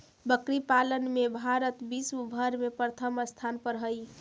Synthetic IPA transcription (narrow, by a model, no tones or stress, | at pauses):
bəkɾipalənmebʱaɾət̪bisubʱəɾmepɾət̪ʰəməst̪ʰanpəɾɦəj